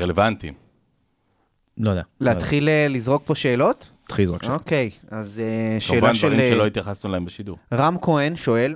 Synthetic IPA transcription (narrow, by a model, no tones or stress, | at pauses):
ʁelevant̪im | lojd̪ealeat̪χilelizʁo̞k̚po̞ʃe̞ːlo̞t̪ | t̪χilizokoke̞jazeʃeːlvandʃveʁiʃeloit̪jaχasnulaembeʃiduʁʁamkoenʃo̞e̞l